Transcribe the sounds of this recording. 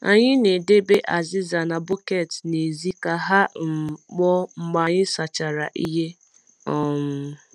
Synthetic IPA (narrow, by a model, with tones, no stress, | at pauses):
a̰˨ɲɪ˦ne˨de˦be˦ʔa˨zɪ˦za˨na˨bo˦ke˨tne˨zi˦ka˨ɦa˦ŋ͡m̩˨k͡pɔ˦ŋ͡m̩˦ɡ͡ba˨ɲɪ˦sa˨t͡ʃa˨ɾa˨ʔi˦ɦe˦ | ɔ˨m̩˦